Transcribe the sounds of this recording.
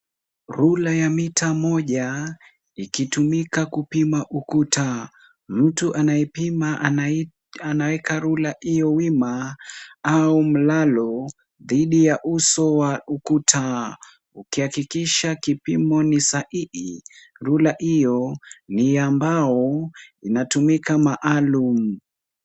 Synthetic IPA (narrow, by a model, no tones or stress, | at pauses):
ɾulajamitʰamɔʄa | ikitumikakupimaʔukutʰa | m̩tuʔanaɛima | anawɛkaɾulaijɔwima | aum̩lalɔ | ðiɗijaʔusɔwaukutʰa | ukihakikiʃakipimɔnisaʔiʔi | ɾulaʔijɔnijambaɔinatumikamaʔalum̩